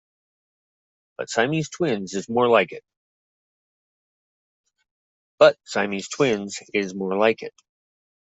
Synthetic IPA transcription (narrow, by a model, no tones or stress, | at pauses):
b̥ʌ̰tsãɪ̃miz̥tʰw̥ɪ̃nzɨzmɔɹlaɪkɨt̚ | b̥ʌt̚sãɪ̃miz̥tʰw̥ɪ̃nzɪzmɔɹlaɪkɨ̰t̚